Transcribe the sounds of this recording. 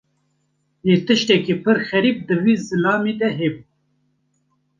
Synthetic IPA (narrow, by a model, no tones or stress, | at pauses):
jeːt̪ɨʃt̪ɛkipʰɨɾxɛɾiːp̚d̪ɨwiːzɨlɑːmid̪ɛɦeːb